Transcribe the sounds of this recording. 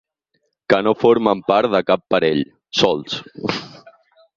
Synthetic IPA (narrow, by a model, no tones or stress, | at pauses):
kənofoɾmampaɾt̪ðəkapːaɾeʎ | sɔlˠs